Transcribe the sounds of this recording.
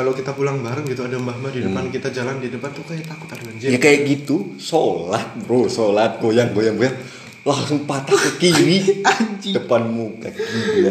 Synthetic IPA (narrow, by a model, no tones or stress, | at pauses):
kalokit̪apulaŋbaɾuɡit̪uadaəmbahmadidəpankit̪ad͡ʒalandidəpant̪ukajaʔt̪akʊ̥t̪aduand͡ʒjakajaʔɡit̪usolat̪̚ɾosolat̪̚ɡojaŋɡojaŋɡojaŋ | laŋsʊŋpat̪akəkiɾi | dəpanmukakia